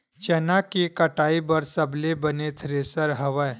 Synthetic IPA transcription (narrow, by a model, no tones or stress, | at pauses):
t͡ʃɛnakikəʈaibəɾsəblebənet̪ʰɾesəɾɦəʋəj